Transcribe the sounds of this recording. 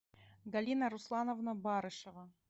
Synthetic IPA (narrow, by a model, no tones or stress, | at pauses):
ɡalʲinaɾuslˠɑnovnəbɑɾɤʃɤʁɑ